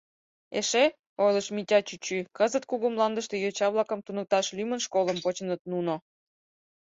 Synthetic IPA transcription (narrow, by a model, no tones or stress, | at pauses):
ḛʃe | ojləʃmitʲɑt͡ɕyt͡ɕykəzət̪̚kuɣumlɑnd̪ə̆ʃt̪e̽jot͡ɕɑβlˠɑkəmt̪unə̆k̚t̪ɑʃlymənʃkoləmpot͡ɕə̆nət̪̚nuno